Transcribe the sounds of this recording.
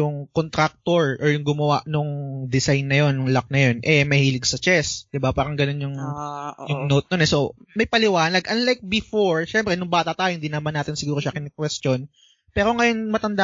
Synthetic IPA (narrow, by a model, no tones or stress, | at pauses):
ʊŋkont̪ɾak̚t̪oɹʔɔɹjʊŋɡʊmɐwaʔnʊŋd̪ɪsajnːɐjo̞njʊŋlak̚nɐjo̞nʔɛmɐhiːlɪɡsɐt͡ʃɛsd̪ɪbapaːɾɐŋɡɐno̞njʊŋjʊŋnot̪̚nonɛso̞mɐjpɐlɪwaːnɐɡʔɐnlajk̚bɪfoɹʃɛmpɾɛnʊŋbaːt̪ɐt̪aːjohɪnd̪iːnɐmanːaːt̪ɪnsɪɡuːɾoʃɐkɪnɛkwɛst̪jo̞n | pɛːɾo̞ŋɐjo̞nmɐt̪ɐnd̪a